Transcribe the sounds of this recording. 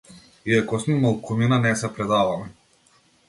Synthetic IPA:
iakɔsnimalˠkuminanɛsɛpɾɛd̪avamɛ

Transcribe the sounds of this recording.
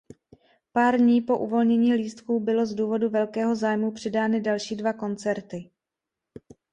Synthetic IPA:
paːɾdɲiːpo̞ʔuvo̞lɲɛɲiːliːst̪kuːbɪlo̞zduːvo̞duvɛlkɛːɦo̞zaːjmupr̥ɛdaːnɪdalʃiːdvako̞nt͡sɛɾt̪ɪ

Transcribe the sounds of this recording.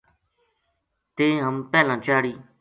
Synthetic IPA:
t̪ẽːɦəmpɛːlãːt͡ʃaːɽiː

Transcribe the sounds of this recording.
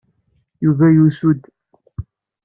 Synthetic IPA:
juvæjusud̪

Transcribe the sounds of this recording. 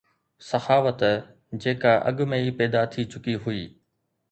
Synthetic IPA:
sɐxaːʋət̪ | d͡ʑeːkaʔɐ̰ɠmẽipɛːd̪at̪ʰit͡ɕʊkiɦʊiː

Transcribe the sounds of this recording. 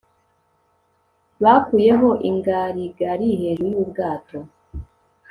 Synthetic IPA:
βakuje̞ɦo̞ʔiŋɡaɾiɡaɾiɦeɾujubɡaːto̞

